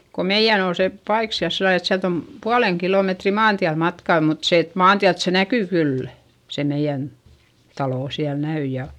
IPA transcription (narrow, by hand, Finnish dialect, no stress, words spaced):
ko meij̆æn ol se pɑik siæl silːɑl et siælt om puɑleŋ kiloˑmetri mɑːntiæl mɑtkɑˑ mut se et mɑːntiælt se nækyˑ kylːæ̥ se meij̆æn tɑloˑ siæl næy jɑ